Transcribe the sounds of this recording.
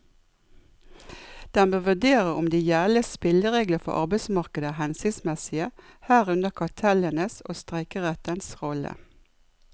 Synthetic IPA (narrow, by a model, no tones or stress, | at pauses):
d̪̥ɛnbøːʋʉɖeːʁəʊmd̪iːjæːləspɪləʁeːɡləfɔ̰ʔɑ̰ʁbæɪsmɑʁkəd̪əhɛnsɪsmɛsɪəhæːʁʉnəkʰɑt̪ʰɛlənəso̰ːst̪ʁɛɪkəʁɛt̪ənsʁɔlə̰